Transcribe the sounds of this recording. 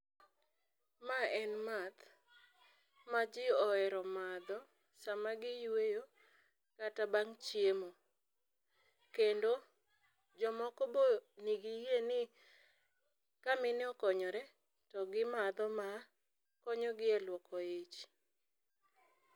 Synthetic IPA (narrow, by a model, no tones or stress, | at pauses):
maɛnmat̪ | mad͡ʒɪɔɛɾɔmad̪ɔ | samaɡɪjwejo | katabaŋt͡ʃjemo | kendo | d͡ʒɔmɔkɔboniɡijenɪ | kamɪnɪɔkɔɲɔɾɛ | tɔɡɪmad̪ɔma | kɔɲɔɡɪɛlwɔkɔet͡ʃ